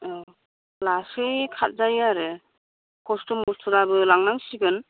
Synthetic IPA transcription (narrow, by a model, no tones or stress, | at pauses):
ɔ | lasɯjkʰat̚zajaɾɯ | kɔstumuɾtʰuɾabɯlaŋnaŋsiɡɯn